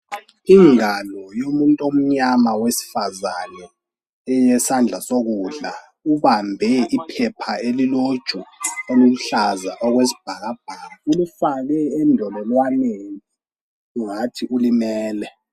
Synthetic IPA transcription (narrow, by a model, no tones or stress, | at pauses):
iŋalɔjomuntʼom̩ɲamawesi̥fazanɛ | ɛjɛsand͡ɮʱasoɣ̬uɮa | uβambʱɛʔipʰɛpʰaelilod̥ʒ̥ʱuolum̩ɬazaʔɔɣ̬wesi̥b̥ʱaɣ̬ab̥ʱaːaulufak̬ɛːndʱɔlɛlwaneŋi | uŋatʰiʔulimɛːlɛ